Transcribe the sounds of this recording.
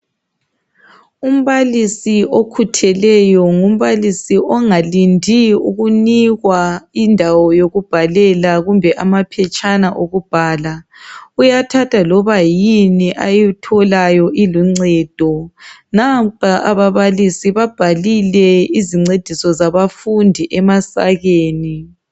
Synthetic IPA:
um̩βalisiʔokʰutʰɛlɛjɔŋum̩βalisiʔɔŋalindʱiṵɣuniɣwaindʱawɔjoɣub̥ʱalɛlaɣumbʱɛʔamapʰɛt͡ʃʼanaʔoɣub̥ʱaːlaujatʰatʰalɔβajiniʔajitʰɔlajɔʔiluŋ͡ǀɛːd̥ʱɔnapʰaʔaβaβalisiβab̥ʱalilɛiziŋ͡ǀed̥ʱisɔzaβafundʱiʔɛmasa̰ɣeːni

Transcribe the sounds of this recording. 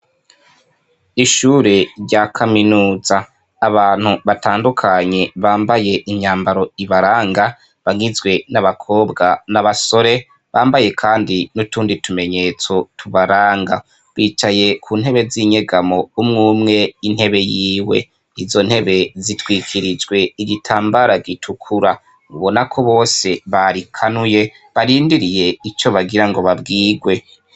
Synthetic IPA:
iʃuɾeɾɟakʰaminuːzaː | βaːn̥huβataːndukʰaɲe̞βaːmbaje̞ʔiɲaːmbaɾo̞iβaɾaːŋɡa | βaŋizɡwe̞naβakʰo̞ːbɡanaβaso̞ɾe̞ | βaːmbaje̞kʰaːndinutuːnditume̞ɲe̞t͡so̞tʰuβaɾaːŋɡa | βiːt͡ʃaje̞kʰuːn̥he̞βe̞ziɲe̞ɡamo̞umŋuːmŋe̞inhe̞βe̞jiːwe̞̰ | izo̞n̥he̞βe̞zitwiːkʰiɾid͡ʒɡwe̞iɡitʰaːmbaɾaɡitʰukʰuɾa | βuβo̞nakʰo̞βo̞ːse̞βaɾikʰanuje̞ | βaɾiːndiɾije̞it͡ʃo̞βaɡiɾaŋɡo̞βabɡiːɡwe̞

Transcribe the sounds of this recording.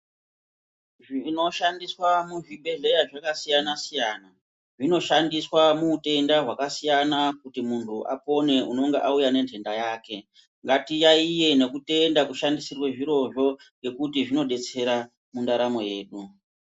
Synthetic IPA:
ʐino̞ʃandiswamuʐiɓʱe̞ɮe̞jaʐakasijanasijaːna | ʐino̞ʃandiswamuːte̞ndaɦwakasijanakutimuntʰuʔa̰po̞ne̞ʔuno̞ŋɡeʔaujane̞ntʰe̞ndajaːke̞ | ŋɡatijaije̞ne̞kute̞ndakuʃandisirweʐiɾo̞ʐo̞ | ŋɡe̞kutiʐino̞ɗe̞t͡se̞ɾa | mundaɾamo̞je̞ːɗu

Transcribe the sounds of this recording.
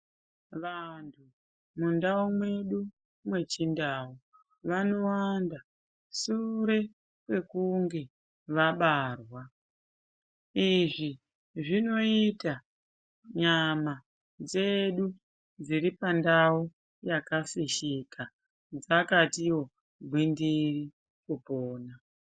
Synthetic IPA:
ʋantʰu | mundaumwe̞ɗu | mwe̞t͡ʃindaːu | ʋano̞wanda | suɾe̞ | kwe̞kuŋɡe̞ | ʋaɓaːrwa | iʐi | ʐino̞ita | ɲama | d͡ze̞ɗu | d͡ziɾipandau | jakafiʃika | d͡zakatiwo̞ | ɡʱwindiri | kupoːna

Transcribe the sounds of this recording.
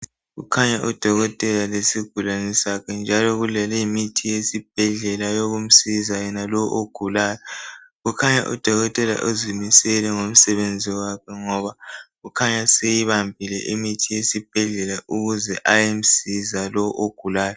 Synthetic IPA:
ɣukʰaɲaʔud̥ʱɔɣɔtʼɛlalesiɡ̥ʱulanɛsakʰɛnd͡ʒʱalɔɣulɛlɛjimitʰijesib̥̚ʱɛɮɛlajoɣum̩sizajɛnalɔʔoɡ̥ʱulaːjɔɣukʰaɲa̰ʔṵd̥ʱɔɣɔtʼɛla̰ʔozimisɛlɛŋom̩sɛβend͡zʱiwakʰɛŋɔβaɣukʰaɲasejiβambʱilɛ̰ʔimitʰijesib̥ʱɛɮɛlaʔuɣuzɛʔajem̩sizalɔʔoɡ̥ʱulaːjɔ

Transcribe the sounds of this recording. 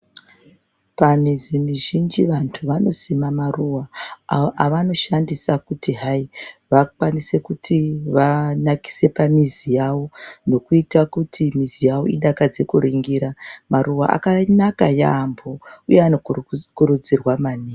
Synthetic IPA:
panizimiʒind͡ʒiʋantʰuʋano̞semamaruwa | ʋano̞ʃandisakutiɦaiʋakwanise̞kutʰiʋanaki̥se̞pamizijawo̞no̞kuitakutʰimizijaʋo̞̰iɗakad͡ze̞kuɾiŋɡiɾamaruwaʔa̰kanakajambo̞ujeanokuɾud͡zirwamaːne

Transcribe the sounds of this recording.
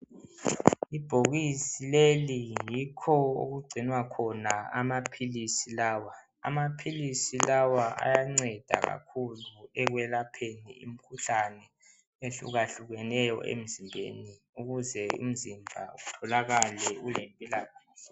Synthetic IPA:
ib̥ʱoɣisilelijikʰɔo̰ɣuɡ͡ǀʱinwakʰɔnaamapʰilisilaːwa | a̰mapʰilisilawaʔa̰jaŋ͡ǀɛd̥ʱa̰ɣa̰kʰuluɛɣwɛlapʰenḭḭm̩kʰuɬanɛ | eɬṵɣaɬuɣɛnɛjɔ̰ʔḛm̩zimbʱḛni | uɣuzɛṵm̩zimbʱa̰ṵɣutʰɔlaɣalɛulempʼilaɣaːɛ

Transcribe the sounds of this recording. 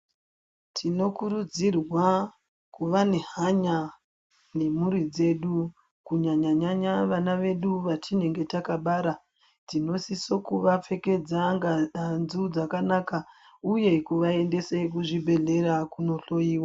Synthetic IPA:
tʰino̞kuɾud͡zirwa | kuʋaneɦaɲa | ne̞muɾid͡ze̞ɗu | kuɲaɲaɲaɲaʋanaʋe̞ɗuʋatine̞ŋɡe̞takaɓaːɾa | tino̞siso̞kuʋap͡fe̞ke̞d͡zaŋɡaanzud͡zakanaka | uje̞kuʋae̞nde̞sek̬uʐibʱe̞ɮe̞ɾakuno̞ɬo̞jiːwa

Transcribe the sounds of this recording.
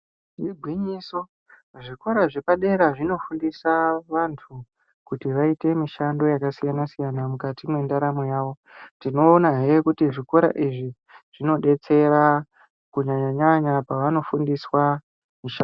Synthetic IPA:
ʐiɡʱwiɲiso | ʐiko̞ɾaʐe̞paɗe̞ɾaʐino̞fundisaʋantʰu | kutiʋaite̞miʃando̞jakasijanasijanamukatimwe̞ndaɾamojaːʋo̞ | tino̞ːnaɦekutiʐiko̞ɾa̰ʔiʐi | ʐ̥ino̞ɗe̞t͡se̞ɾa | kuɲaɲaɲaɲapaʋano̞fundiswa | miʃa

